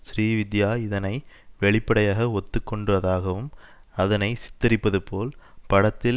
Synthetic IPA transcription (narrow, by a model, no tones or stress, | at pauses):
sɾiːʋɪd̪jaːɪðɐnɐɪʋɛɭɪpːɐɽɐjaːɣɐɔt̪ːɯkːɔɳɖɯʋɐðaːɣɐʋɯmɐðɐnɐɪsɪ̥t̪ːɐɾɪpːɐðɯpoːlpɐɽɐt̪ːɪl